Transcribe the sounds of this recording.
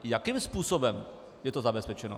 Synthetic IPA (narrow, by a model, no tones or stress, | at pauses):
jakimspuːsobɛm | jɛt̪ozabɛspɛt͡ʃɛno̰